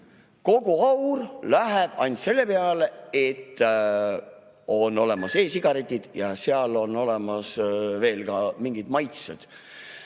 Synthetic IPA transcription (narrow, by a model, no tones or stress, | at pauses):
ko̞ɡ̥uɑwrlæɦeb̥ɑnʲd̪̥se̞lːe̞peɑleet̪ː | o̞no̞le̞mɑse̞ːsiɡ̥ɑɾet̪ʲːid̪̥jɑseɑlo̞no̞le̞mɑsve̞ːlkɑmiŋɡ̥id̪mɑjt̪sed̪̥